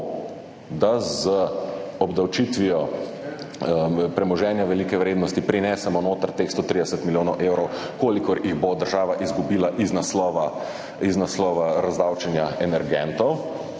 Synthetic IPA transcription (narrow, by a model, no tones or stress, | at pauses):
d̪azəɔbd̪awt͡ʃiːt̪ʋiɔ | pɾɛmɔʒɛːnjaʋɛliːkɛʋɾeːd̪nɔst̪ipɾinɛːsɛmɔnoːt̪əɾt̪eːxst̪ot̪ɾid̪ɛsət̪miljoːnɔwʔeːwɾɔw | koːlikɔɾjiɣbod̪əɾʒaːʋaʔizɡubiːlaʔiznaslɔʋa | iznaslɔːʋaɾazd̪aːwt͡ʃɛnjaɛnɛɾɡɛnt̪ɔw